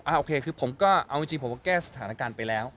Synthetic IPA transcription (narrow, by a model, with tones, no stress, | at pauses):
ʔaː˧˩ʔoː˧kʰeː˧kʰɯː˧pʰo˩˦mkɔː˥˩ʔa˧wma˦˥˩t͡ɕi˧pʰo˩˦kɔː˥˧˩kɛː˥˩sa˨˧t̪ʰaː˩˦naː˦˧˥kaː˧npa˧jlɛː˦˥w